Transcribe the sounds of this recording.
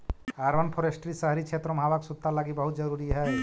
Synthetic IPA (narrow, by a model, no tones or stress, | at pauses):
aɾʋənpʰɔɾesʈɾisəɦɾit͡ʃʰet̪ɾɔmɦabaksut̪ːalaɡibəɦut̪̚d͡ʒəɾuɾiɦɛː